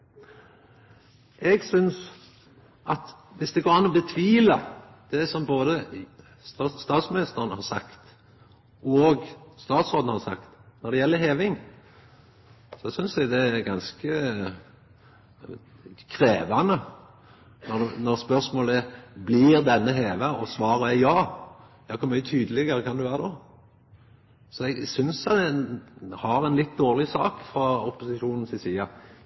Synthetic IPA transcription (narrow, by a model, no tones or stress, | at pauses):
ʔɛɡsʏns | ʔɑt̪ | ʋɪsd̪ɛɡoːɾɑnːɔbət̪ʰʋiːlɑ | d̪̥ɛsɔmboːd̪ə | st̪ːst̪ɑːt̪smɪnɪst̪əʁənəhɑɾsɑkt̪ | ɔɡst̪ɑːt̪sʁoːd̪n̩hɑsɑ̰kt̪nɔɾd̪ɛjɛlːəɾɦeːʋɪŋ | sɔsʏnsɛɡd̪ɛɡɑnskə | kʰɾeːʋɑnə | nɔd̪nɔɾspœɾsmoːləæblɪɾd̪ɛnːəɦeːʋəɔsʋɑːɾəæjɑː | jɑːkʰʊɾmʏːət̪ʰyːd̪əlɪɡəɾəkʰɑnd̪ʉʋæːɾəd̪oː | sɔɛɡsʏns | hɑɾɛnlɪt̪̚ːd̪oːʁlɪsɑːkfɾɑɔpʊsɪʃuːnən̩sɪsiːɑ